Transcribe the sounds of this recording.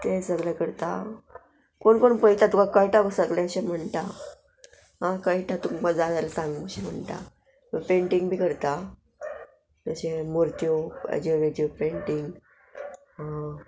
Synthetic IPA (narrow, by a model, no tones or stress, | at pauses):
k̪esəɡljakəɾt̪a | koɳkoɳpəjt̪at̪ukakəjʈabəsəɡlɛəɕem̤əɳt̪a | ɦãkəiʈat̪uŋməd͡zad͡zajlasãŋɡməɕem̤ə̰ɳt̪a̰ | məpeɳʈiŋɡbʱiːkəɾt̪a | əɕẽmoɾt̪ijoə̰d͡ʑoʋet̪opeɳʈiŋɡ | ɦã